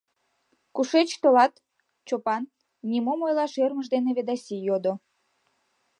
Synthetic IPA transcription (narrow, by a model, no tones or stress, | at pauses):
kuʃet͡ɕt̪olɑt̪ | t͡ɕopɑnː | imomojlɑʃørməʒd̪eneβed̪ɑsʲijod̪o